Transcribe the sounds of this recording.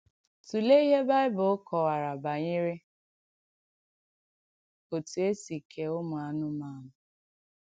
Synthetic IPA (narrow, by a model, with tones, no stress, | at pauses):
tu˨le˦i˦ɦe˦ba˦ɪ˦bʊ˨ʊ˦kʰɔ˨wa˨ɾa˨ba˨ɲɪ˦ɾɪ˦ | o˨tu˨e˦si˨kʰe˨ʊ˦mʊ˨a˨nʊ˦ma˦˨nʊ˨